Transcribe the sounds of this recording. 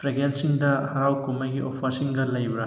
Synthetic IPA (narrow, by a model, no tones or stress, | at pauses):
pʰɾeɡensiŋdɐhɐɾawkomɐjɡiʔopʰɐɾsiŋɡɐlɐjbɾɐ